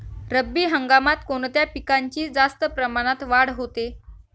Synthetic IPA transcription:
ɾəbːiːɦəŋɡamat̪koɳ̃t̪japikaɲt͡ɕiːd͡zast̪əpɾəmaɽ̃at̪ʋaɽɦot̪e

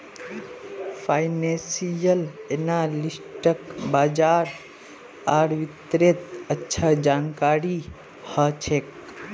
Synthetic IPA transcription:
pʰajnẽsijəlenalisʈəkbaːd͡ʒaːɾ | aːɾʋit̪ɾet̪ətːʃʰad͡ʒaːnkaːɾi | hət͡ʃʰek̚

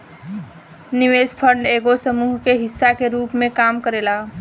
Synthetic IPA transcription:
nɪʋeːspʰəɳɖeːɡosəmuːɦkeɦɪsːakeɾuːpmẽkaːmkəɾeːla

